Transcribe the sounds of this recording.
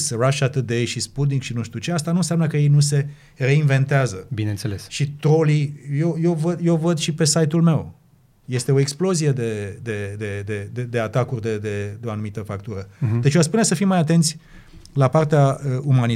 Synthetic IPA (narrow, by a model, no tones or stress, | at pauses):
sraʃat̪ɨd̪e̞jʃisput̪̬nikʃinuʃt̪iut͡ʃe̞ast̪anunsjamnəkəje̞jnus̬e̞ | re̞inve̞nt̪eazəbinent̪selesʃit̪o̞lijewje̞wvəd̪je̞wvəd̪ʃipe̞sajt̪ulme̞w | je̞st̪e̞o̞e̞ksplo̞zije̞d̪e̞d̪e̞d̪e̞d̪e̞d̪ed̪eat̪akurʲd̪e̞d̪e̞d̪eoanumit̪əfak̚t̪uɾəd̪e̞t͡ʃjoaspunesəfimːajat̪e̞nt̪sʲ | lapart̪eaəumani